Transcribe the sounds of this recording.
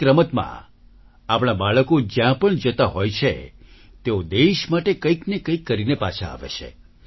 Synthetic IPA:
kɾəmət̪mã̰ | apɽ̃abaɭəkod͡ʒjãpəɳd͡ʒət̪aɦojt͡ʃʰḛ | t̪eod̪eʃmaʈekəiknekəikːəɾinepa̰t͡ʃʰaa̰ʋḛt͡ʃʰḛ

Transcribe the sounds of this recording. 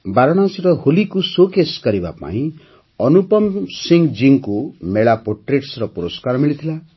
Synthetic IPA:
baɾɔɽ̃asiɾɔholikusokeskɔɾiba̰pa̰ĩ | ɔnupɔmsiŋd͡ʒiŋkumeɭapoʈɾeʈsɾɔpuɾɔskaɾmiɭit̪ʰila

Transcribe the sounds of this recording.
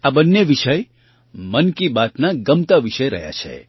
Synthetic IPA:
abənːeʋiʃəj | mənkibat̪naɡəmt̪aʋiʃəjɾə̰ɦja̰t͡ʃʰḛ

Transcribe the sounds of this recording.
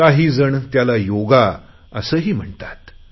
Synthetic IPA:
kaɦiːd͡zəɳt̪jalajoɡa | ə̰səːɦiːm̤əɳt̪ḁt̪

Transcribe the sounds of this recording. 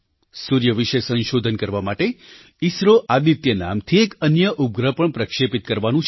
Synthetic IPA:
suɾjəʋiʃəsə̃nʃod̪ʱənkəɾʋamaʈe | isɾoʔad̪it̪jəna̰mt̪ʰiekənjəʔup̚ɡɾəpəɳpɾəkʃepit̪̚kəɾʋanũt͡ʃʰ

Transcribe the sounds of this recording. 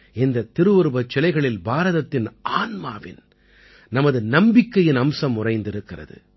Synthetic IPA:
ɛnd̪ɐt̪ːɪɾɯʋɯɾbɐt͡ʃːɛlɐɪɣɐɭɪlbaːɾɐðɐt̪ːɪnʔaːnmaːʋɪ̰n | nɐmɐðɯnɐmbɪkːɐjɪnɐmsɐmʊrɐɪnd̪ɪɾɯkːɪrɐ̰ðɯ̰

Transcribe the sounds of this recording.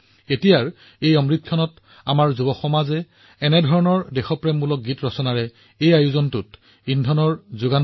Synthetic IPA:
etijaɹ | ejɔmɹitʰːjɔnɔt | amaɹzubɔxɔmazɛ | ɛnɛdʱɔɹɔnɔɹdɛxɔpɹemːulɔk̚ɡitɹɔsɔnaɹɛ | ejajuzɔntʊt | indʱɔnɔɹzuɡan

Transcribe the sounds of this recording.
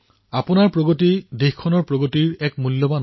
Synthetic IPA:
apʊnaɹpɹoɡotidexkʰɔnɔɹpɹoɡotiɹɛkmulːɔban

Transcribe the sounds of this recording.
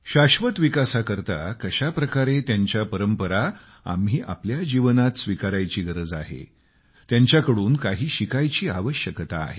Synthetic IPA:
ɕaɕʋət̪ʋikasakəɾt̪a̰kəɕapɾəkaɾet̪jaɲt͡ɕjapəɾəmpəɾa | a̰mɦiːʔa̰pljad͡ʑiʋənat̪sʋikaɾajt͡ɕiːɡəɾəd͡za̰ɦḛ | t̪jaɲt͡ɕjakəɽuːnkaɦiːɕikajt͡ɕiːaʋəɕjəkt̪a̰ːɦe

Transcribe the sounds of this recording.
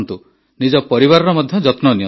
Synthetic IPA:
nt̪u | nid͡ʒɔpɔɾiβaɾɔɾɔmɔd̪ʱjɔd͡ʒɔt̪nɔnijɔ

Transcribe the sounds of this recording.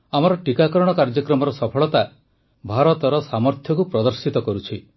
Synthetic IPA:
amɔɾɔʈikakɔɾɔɽ̃ɔkaɾd͡ʒɔkɾɔmɔɾɔsɔpʰɔɭɔt̪a | bʱaɾɔt̪ɔɾɔsamɔɾt̪ʰjɔkupɾɔd̪ɔɾsit̪ɔkɔɾut͡ʃʰi

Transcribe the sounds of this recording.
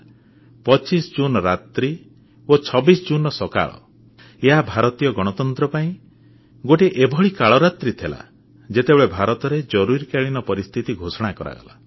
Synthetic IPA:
pɔt͡ʃisɔd͡ʒunɔɾat̪ɾi | ot͡ʃʰɔbisɔd͡ʒunɔsɔka̰ɭɔ̰ | eɦabʱaɾɔt̪ijɔɡɔɽ̃ɔt̪ɔnt̪ɾɔpaĩ | ɡoʈeʔebʱɔɭikaɭɔɾat̪ɾit̪ʰela̰ | d͡ʒet̪ebeɭebʱaɾɔt̪ɔɾed͡ʒɔɾuɾikeɭinɔpɔɾist̪ʰit̪iɡʱosɔɽ̃akɔɾa̰ɡɔ̰la̰

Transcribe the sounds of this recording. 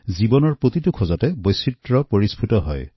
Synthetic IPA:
zibɔnɔɹpɹot̪itukʰɔzɔtɛbojsitɹɔpoɹispʰutɔɦɔ̰j

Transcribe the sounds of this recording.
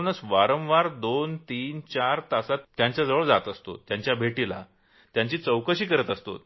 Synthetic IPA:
nəsʋaɾəmʋaɾd̪ont̪iːnt͡ɕaɾt̪asat̪ːjaɲt͡ɕjad͡zəʋəɭd͡zat̪əst̪o̰jaɲt͡ɕjabʱeʈila̰ | t̪jãɲt͡ɕiːt͡səwkəɕiːkəɾət̪əst̪o̰t̪

